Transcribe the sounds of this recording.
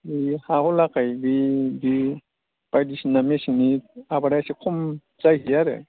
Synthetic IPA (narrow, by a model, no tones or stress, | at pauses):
bihahɔlakajbibi | b̥ajdisinamesiniabaɾajsikʰɔm | zajɦijaɾḛ